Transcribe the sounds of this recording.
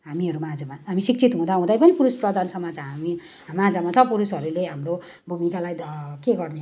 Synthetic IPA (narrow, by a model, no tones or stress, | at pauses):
ɦamiɦʌɾumad͡zamaɦamisik̚t͡sʰit̪ɦũd̪aɦũd̪ajpʌnipuɾusprʌd̪ansʰʌmad͡zaɦami | mad͡zamat͡sʰʌpuɾusɦʌɾuleɦamro | bʱumikalajd̪keɡʌrne